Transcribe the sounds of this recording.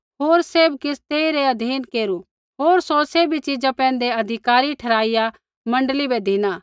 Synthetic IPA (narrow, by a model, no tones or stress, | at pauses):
ɦoːɾseːbkɪst̪eːiɾeɐd̪ʱiːnkeːɾu | ɦoːɾsoseːbit͡ʃid͡ʒãpɛ̃ːnd̪eɐd̪ʱɪkaːɾiʈʰɐɾaːija | mɐ̃ɳɖlibɛd̪ʱinaː